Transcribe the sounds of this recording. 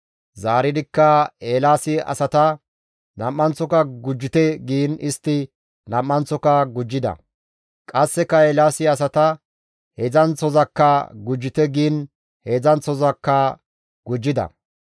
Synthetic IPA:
zaːɾɪd̪ɪkːɐeːlaːsɪɐ̰sɐt̪ɐ | nɐmːɐnt͡sɔkɐɡʊd͡ʒːɪt̪ɛɡiːnɪst̪ːɪ | nɐmːɐnt͡sːɔkɐɡʊd͡ʒːɪd̪ɐ̰ | kʼɐsːɛkɐeːlaːsɪɐs̬ɐt̪ɐ | hezɐnt͡sɔzɐkːɐɡʊd͡ʒːɪt̪ɛɡiːn | heːzɐnt͡sɔzɐkːɐ | ɡ̥ʊd͡ʒːɪd̪ɐ̰

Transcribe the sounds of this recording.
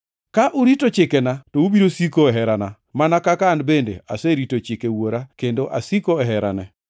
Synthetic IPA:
kaʔuɾitot͡ʃɪkɛnatoubiɾosikoɛɦɛɾana | manakakanbendḛa̰seɾitot͡ʃɪkewoɾakendoʔa̰sikoɛɦɛɾa̰nɛ

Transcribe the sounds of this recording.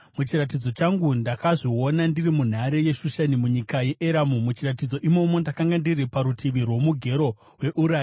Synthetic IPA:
mut͡ʃirat̬id͡zo̞t͡ʃaŋɡundakaʐio̞nandirimun̤aɾe̞je̞ʃuʃanimuɲikaje̞ʔeɾamumut͡ʃirat̬id͡zo̞ʔimo̞mo̞ndakaŋɡandiripaɾutʰiʋirwo̞muɡʱe̞ɾo̞ | we̞ʔuɾaː

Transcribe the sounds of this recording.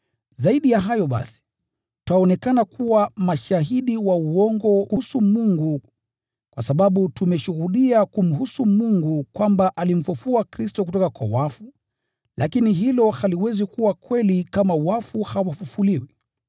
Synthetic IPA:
zaiɗijaɦajɔɓa̰si̥ | tuaɔnɛkanakʰuwamaʃaɦiɗiwauɔŋɡɔkusumuŋɡu | kwasaɓaɓutumɛʃuhuɗiakum̩ɦusumuŋɡukwambaʔalim̩fufuakɾistɔk̬utɔkakwa̰wafu | lakiniɦilɔhaliwɛzikuwakwɛlikamawafuhawafufuliwi

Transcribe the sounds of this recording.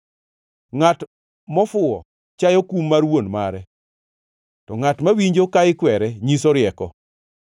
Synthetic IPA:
ŋat | mɔfʊɔ̰ | t͡ʃajɔkumːarwonmaɾɛ | tɔŋatmawiɲd͡ʒokaɪkwɛɾɛɲisɔɾɪɛkɔ

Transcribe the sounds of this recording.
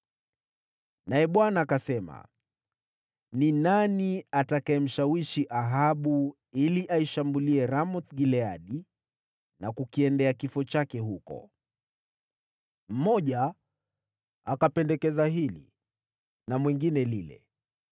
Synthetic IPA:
naɛɓwanaːkasɛma̰ | ninaniatakaɛm̩ʃawiʃiʔaɦaɓu | iliʔaiʃambuliɛɾamɔθɡilɛaɗi | nakukiɛndɛakifɔt͡ʃakɛɦukɔ̰ | m̩mɔʄa | akapɛndɛkɛzaɦilḭ | namwɛŋɡinɛlilɛ̰

